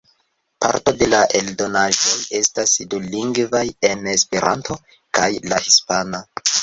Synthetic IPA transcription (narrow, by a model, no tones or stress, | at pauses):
pa̰ɾto̞de̞laʔe̞ldo̞naʒo̞je̞stasduliŋɡvaje̞ne̞spe̞ɾʔa̰ntʰo̞ | kajlahispano